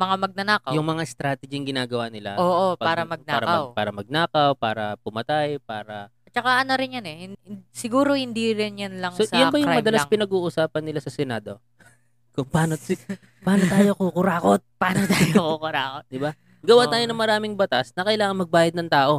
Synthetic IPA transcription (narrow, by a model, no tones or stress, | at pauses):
mɐŋamɐɡ̚nɐnaːkɐwjʊŋmɐŋast̪ɾaːt̪ɛd͡ʒɪŋɡɪnaːɡɐwaːnɪla̰oːʔopaːɾɐmɐɡ̚naaːɾɐaɐwpaːɾɐmɐɡ̚naːkɐwpaːɾɐpʊmɐt̪ajpaːɾɐɐt͡ʃɐkaʔɐnoɾɪnjɐnɛhɪnsɪɡuːɾohɪnd̪iɾɪnjɐnlɐŋsosjabɐjʊŋɾmɐd̪ɐlaspɪnɐɡuːʔʊsaːpɐnːɪlasɐsɛnaːd̪o̞ | kʊŋpaːnosɪ | paːnot̪aːjo̞kukʊɾaːko̞t̪̚paːnot̪aːjokukʊɾaːkot̪̚d̪ɪba | ɡɐwaːt̪aːjonɐŋmɐɾaːmɪŋbɐt̪asnɐkɐjlaːŋɐnmɐɡ̚baːjɐd̪nɐŋt̪aːʔo̞